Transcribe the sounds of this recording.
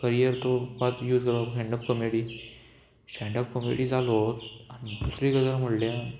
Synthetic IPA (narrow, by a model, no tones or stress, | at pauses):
kəɾijəɾt̪opat̪juːd͡zkəɾbaɦɛ̃ɳɖəp̚kəmeɽiː | sɛɳɖəp̚kəmḛɽiːd͡zalot̪añit̪usɾikəd͡zɾam̤əɽlja